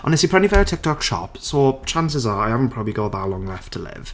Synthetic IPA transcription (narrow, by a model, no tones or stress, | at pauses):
ə̰nɪsipʰɹɛnjəfɛtʰɪk̚tʰɒkʃɒ̰psoːt͡ʃʰãns̬ɪzəaɪhavə̃n̩pʰɹ̥ɒbəbliɡɔʔðətəlɔ̃ŋlɛftʰəlɪ̰v̥